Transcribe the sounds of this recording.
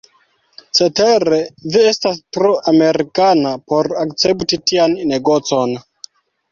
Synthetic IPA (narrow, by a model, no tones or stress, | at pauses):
t͡se̞teɾe̞vie̞stastɾoʔame̞ɾikanapo̞ɾakt͡se̞ptitianne̞ɡo̞t͡so̞n